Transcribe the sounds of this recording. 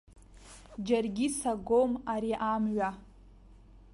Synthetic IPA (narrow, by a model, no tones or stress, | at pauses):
d͡ʒarɡʲisaɡomaɾiʔamɥa